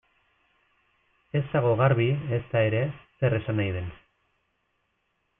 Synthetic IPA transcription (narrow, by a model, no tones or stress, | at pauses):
e̞st̪aɣ̞o̞ɣaɾβiest̪ae̞ɾe̞se̞re̞sanajðe̞n